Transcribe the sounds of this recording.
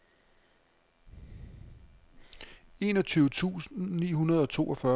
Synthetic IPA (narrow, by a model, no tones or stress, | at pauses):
e̝ːnɒ̽t͡sʰyːʊət͡sʰṵːsnn̩nḭːɦunɐð̞ˠɒ̽t͡sʰo̝̰ːʔɒfɶ